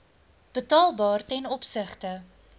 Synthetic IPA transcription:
b̥ətɑːlˠbɑːrtɛnɔpsəχtə

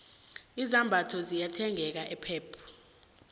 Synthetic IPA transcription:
izambʱatʰɔzijatʰɛŋɛk̬aʔɛpʰɛːpʰu̥

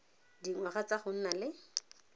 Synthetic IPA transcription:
diŋwaχat͡saχʊn̩nalɪ

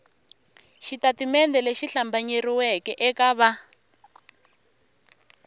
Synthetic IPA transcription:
ʃitatimɛndɛleʃiɬambaɲeriwɛkɛʔɛkaβa

